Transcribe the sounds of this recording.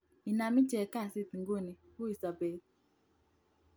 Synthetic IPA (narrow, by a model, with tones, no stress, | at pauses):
i˨na˨mi˦t͡ʃɛ˨ka˦˨si˦˨tŋ̩˨ɡo˦˨ne˨ku˦i˨sa˨be˨˦